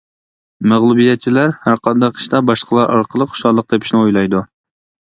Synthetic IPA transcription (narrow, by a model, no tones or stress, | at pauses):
mæʁlˠubijɛt̪̚t͡ʃʰilæɾhæɾqɑnd̪ɑqʰi̥ʃt̪ɑbɑʃqʰəlˠɑɾʔɑ̰ɾqʰəlˠəqχʰʊ̥ʃɑlˠːəq̚d̪ɛpʰi̥ʃnɪojlˠɑjd̪u